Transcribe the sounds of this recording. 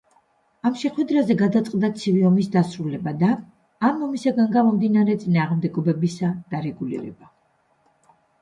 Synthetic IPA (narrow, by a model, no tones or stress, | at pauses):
amʃɛχwɛd̪ɾazɛɡad̪at̪sʼqʼd̪at̪sʰiviɔmisd̪asɾulɛbad̪aː | mɔmisaɡanɡamɔmd̪inaɾɛt̪sʼinaːʁmd̪ɛɡɔbɛbisad̪̥aɾɛɡulḭɾɛ̰ba